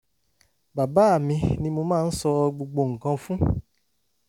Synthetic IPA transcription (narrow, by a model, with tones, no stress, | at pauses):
ba˨ba˨˦a˦˨mĩ˧nĩ˧mo˧mãː˦˧n̩˦sɔ˧ɡ͡bo˧ɡ͡bo˧ŋ̩˨kã˧fũ˦